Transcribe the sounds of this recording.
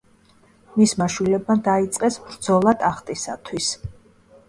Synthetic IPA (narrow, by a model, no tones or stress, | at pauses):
mismaʃwilɛbmad̪ait̪sʼqʼɛsbɾd̪z̥ɔlˠat̪ʼaχt̪ʼisat̪ʰwis